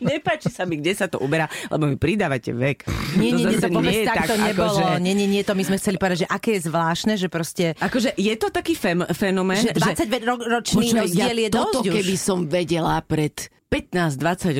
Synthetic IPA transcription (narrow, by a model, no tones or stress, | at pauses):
ɲɛpaːt͡ʃisamiɡɟɛsat̪ɔ̰ʔubɛɾaːlɛ̰bɔmipɾid̪aːʋacɛ̰ʋɛkɲɪɛɲɲɛɛt̪ɔpɔɛjɛt̪ak̪akt̪ɔɲɛbkɔlʒɛɔɲɛɲɛɲɛɛt̪ɔmizmɛxt͡sɛlipɔʋɛd̪aɟʒɛʔakɛːjɛzʋlaːʃnɛʒɛpɾɔscɛakɔʒɛʔjɛt̪ɔt̪akiːfɛmfɛnɔmɛːnʒɛd̪ʋat͡sːaɟpɛɾɔɾɔt͡ʃnniɾɔzɪɛljɛd̪ɔukɛbisɔmʋɛɟɛlapɾɛt̪ | pɛt̪naːzd̪ʋat͡saɟ